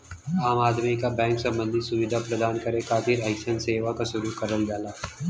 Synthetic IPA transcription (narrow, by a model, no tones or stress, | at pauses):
aːmaːd̪mikabɛ̃ːŋksɐ̃mbə̃nd̪ʱɪt̪sʊʋɪd̪ʱapɾəd̪aːnkɐɾẽkaːt̪ʰɪɾɛːkʃənseːʋakasʊɾukɐɾəld̪aːlaː